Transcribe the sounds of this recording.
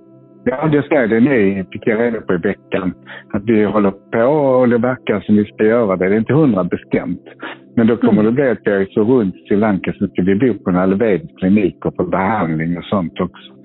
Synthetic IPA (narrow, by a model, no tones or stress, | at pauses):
jɑːd̪ɛjasɛəd̪ɛnit̪ɪkːjaɾeːd̪apʰɔɪvɛkːanat̪dɪhɔlːəɾpʰɔːd̪ɛvæɾkasɔmvɪskajœːɾad̪ɛd̪ɛɾɪnt̪əhɵnd̪ɾabɛst̪ɛ̰mt̪mɛnd̪ɔkʰɔmːəɖɛblɪat̪̚d̪ɛɛsɔɾɵnt̪sɪlaŋkasɔmɪt̪ːəvɪbuːpʰɔnalveːd̪skʰlɪniːkɔfɔɾbɛhand̪lɪŋɔsɔnt̪ɔksɔ̥